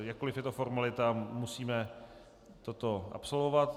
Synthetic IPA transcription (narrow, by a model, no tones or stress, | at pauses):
jakkolɪfjɛt̪ofoɾmalɪt̪amusiːmɛ | t̪ot̪o̞ʔa̰pso̞lvo̞vat̪